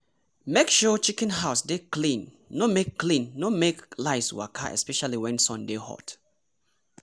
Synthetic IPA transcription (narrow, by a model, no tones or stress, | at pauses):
mekʃɔt͡ʃikɛ̃nɦaʊsdeklĩnː | omekːlĩnːomeklaɪswa̰kʰa̰ʔɛ̰spɛʃaliwɛ̃nsɔ̃ndehɔ̰t